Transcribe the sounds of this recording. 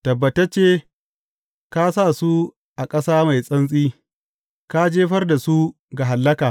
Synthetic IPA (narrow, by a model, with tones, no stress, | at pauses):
tɐ˨bːɐ˨tɐ˦t͡ʃeː˦ | ka˦sa˦˨su˦ | ʔa˨kʼɐ˦saː˦ma˨jsʼɐ˦nsʼiː˦ | ka˦d͡ʒeː˦ɸɐ˦rda˨su˦ | ɡa˨ɦa˨lːɐ˦kaː˨